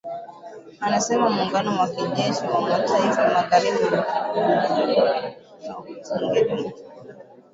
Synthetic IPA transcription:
anasɛmamuːŋɡanɔwakiʄɛʃiwamataifamaɣaɾibiwau | asɔŋɡɛɗumu

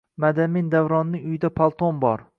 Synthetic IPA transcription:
mad̪amind̪avɾɒnːɪʊjɪd̪apʰalˠt̪ʰonbɒɾ

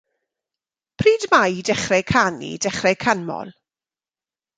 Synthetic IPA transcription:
pʰriːdmajdɛχrɛkʰanḭd̥ɛχrɛkʰanmɔ̰lˠ

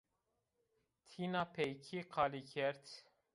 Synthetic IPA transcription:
t̪ʰinapʰɛjkʰiqʰɑlikʰɛɾt̪ʰ

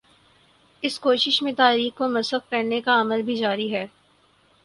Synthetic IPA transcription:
ɪskoːʃɪʃmẽt̪aːɾiːxkomɐsəxkɐɾnekaɐməlbʱid͡ʒaːɾiɦɛː

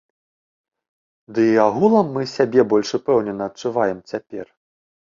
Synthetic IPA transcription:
d̪ɨiaɣulˠɐmːɨsʲabʲɛbɔlʲʂɨpɛwnʲɛnːɐːt͡ʂuvajɛmt͡sʲapʲɛr

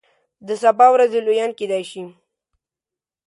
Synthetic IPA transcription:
d̪əsabɑwɾazelojɑnked̪ajʃi

